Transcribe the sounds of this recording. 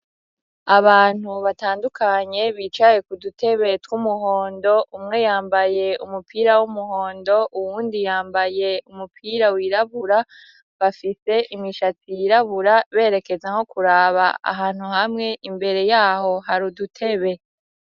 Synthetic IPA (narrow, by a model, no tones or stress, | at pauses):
aβaːn̥huβataːndukaɲe̞βit͡ʃaje̞kudutʰe̞βe̞twumuɦo̞ːndo̞ʔumŋe̞jaːmbaje̞umupʰiːɾawumuho̞ːndo̞ʔuwuːndijaːmbaje̞umupʰiɾawiɾaβuɾa | βafise̞ʔimŋiʃatijiɾaβuɾaβe̞ːɾe̞ke̞zaŋo̞kuɾaːβa̰a̰ɦaːn̥huhamŋe̞ʔimbe̞ɾe̞jaːho̞ɦaɾudutʰe̞βe̞